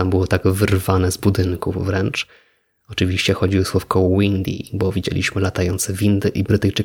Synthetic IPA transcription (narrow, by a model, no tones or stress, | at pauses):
ambɘwɔt̪aɡvɘɾvanɛzbud̪ɘŋkuvɾɛnt͡ʂ | ɔt͡ʂɨvʲiɕt͡ɕɛxɔd͡ʑiwɘswɔfkɔwɔwind̪ʲḭbɔvʲid͡ʑḛlʲʔḭɕmɘlat̪ajɔnt̪sɛvʲind̪ɘʔibɾɘt̪ɘjt͡ʂɘ